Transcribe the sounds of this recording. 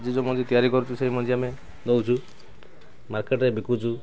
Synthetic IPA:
d͡ʒid͡ʒɔmɔd͡ʒit̪ijaɾikɔɾut͡ʃʰuseɦimɔd͡ʒiame | d̪ɔwt͡ʃʰu | maɾkeʈɾebikut͡ʃʰu

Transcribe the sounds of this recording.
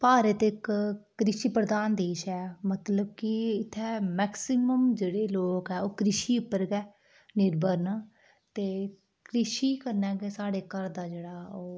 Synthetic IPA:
paːɾət̪ɪkː | ɾɪʃiːpɾəd̪aːnd̪eːʃɛːmət̪ləb̚kɪɪt̪ʰːɛːmɛːksɪməmd͡ʒeːɽeːloːkɛːoːkɾɪʃiːʊpːəɾɡɛː | nɪɾbəɾna | t̪eː | kɾɪʃiːkəɾnɛːɡeːsaːɽeːkəɾd̪aːd͡ʒeːɽaːoː

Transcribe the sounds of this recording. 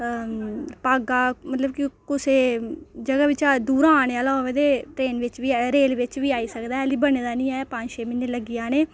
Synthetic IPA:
paːɡaːmət̪ləbkɪkʊseːd͡ʒəɡaːʋɪt͡ʃaːd̪uːɾaːneːaːloːʋẽːd̪eːʈɾeːnʋɪt͡ʃʋiːɾeːlʋɪt͡ʃʋiːaːiːsəkd̪aːɦɛliːbəɽeːd̪aːnĩːɛːpãɲd͡ʒʃeːmɪnːeːləɡɪjaːneː

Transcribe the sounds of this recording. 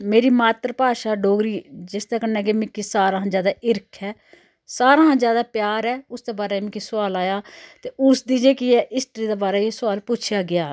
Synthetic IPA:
meːɾiːmaːt̪ɾpaːʃaːɖoːɡɾiːd͡ʒɪst̪aːkənːɛːɡeːmɪ̃kiːsaːɾãːɦãːd͡ʒjaːd̪aːʔɪɾkʰɛː | saːɾãːɦãːd͡ʒjaːd̪aːpjaːɾɛːʊsd̪eːbaːɾɛːmɪ̃kisʊʋaːlaːjaːt̪eːʊsd̪iːd͡ʒeːkɪjɛːʔɪsʈəɾiːd̪eːbaːɾɛːesʊaːlpʊt͡ʃʰɪjaːɡɪjaː

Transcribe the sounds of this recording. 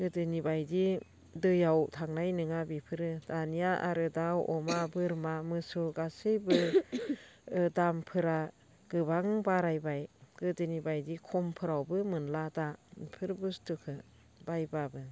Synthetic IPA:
ɡ̥ɯdɯnibajdi | dɯjawtʰaŋnajnɯŋabipʰɯɾɯd̥anijaʔa̰ɾɯdawɔmabɯɾmamɯsuɡasɯjbɯ | dampʰɯɾa | ɡ̥ɯβaŋbaɾajbajɡ̥ɯdɯnibajdikʰɔmpʰɯɾawbɯmɯnladapʰɯɾbustukʰɯ | bajbabɯ

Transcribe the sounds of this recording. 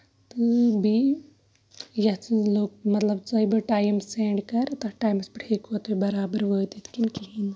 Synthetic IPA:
t̪ɨbʱi | jɐt͡sɨloːk̚mɐt̪lɐbt͡sɐibɨʈaːjmseːɳɖkɐɾt̪ɐʈaːjmspiʈʰiːkot̪bibɐɾaːbəɾʋoːt̪it̪ʰkinkiɦin

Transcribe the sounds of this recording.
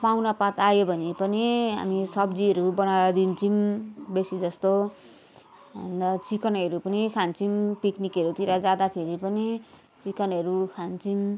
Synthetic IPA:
pawnʌpat̪ajobʱʌnipʌniɦa̰misʌbd͡ziʌɾubʌnawɾʌd̪int͡sʰimbesid͡zʌst̪o | ʌ̰nd̪ʌt͡sikʌnʌɾupʌnikʰant͡simpiknikʌɾut̪iɾad͡zad̪apʰeɾipʌni | t͡sikʌnɦʌɾukʰant͡sim

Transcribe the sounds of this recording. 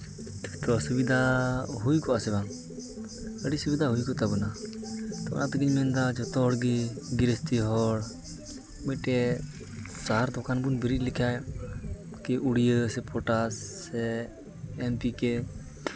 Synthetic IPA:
t̪kt̪ɔsubid̪ʱaɦujkɔʔasɛbaŋ | əɽisubid̪aɦujkɔt̪abɔnat̪ɔ̰nat̪əɡiɲmɛnd̪ad͡ʒɔt̪ɔɽɡiɡiɾest̪iɦɔɽ | mɔʈɛ | saɦaɾd̪ɔkanbunbiɾilikʰaj | kiʔuɽijəsɛpɔʈasːɛ | ɛmpikɛ

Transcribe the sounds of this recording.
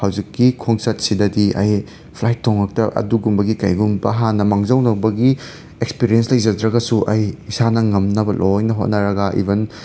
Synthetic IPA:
hawd͡ʒikːikʰoŋsɐt̚sidɐdiɐ̰j | pʰlajtʰːoŋɐk̚tɐʔɐ̰duɡumbɐɡikɐjɡumbɐɦanːɐmaŋzɐwnɐwbɐɡi | ekspiɾijenslɐjd͡ʒɐdɾɐɡɐsuʔɐjisanɐŋɐmnɐbɐlʔojnɐɦot̚nɐɾɐɡɐʔḭben

